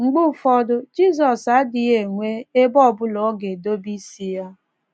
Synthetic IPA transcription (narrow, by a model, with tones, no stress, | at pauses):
ŋ͡m̩˨ɡ͡bʊ˦fɔ˦dʊ˦d͡ʒi˦zɔ˨sa˨˦dɪ˨e˨ŋʷe˦e˦bɔ˦˨bʊ˦lɔ˨˦ɡe˨do˦bi˦si˦ja˦